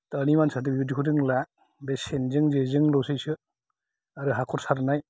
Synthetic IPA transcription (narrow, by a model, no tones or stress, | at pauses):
tanimansat̬ɯjudikʰudɯŋla | besenzɯŋzezɯŋlɔsɯjsɯ | aɾɯɦakʰɔɾsaɾnaj